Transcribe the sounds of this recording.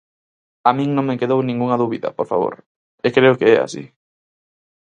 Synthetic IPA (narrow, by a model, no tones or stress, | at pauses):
amĩŋnõŋmekeðownĩŋɡuŋaðuβiðɐ̰poɾfa̰βo̰ɾ | ekɾeʊkeɛa̰sḭ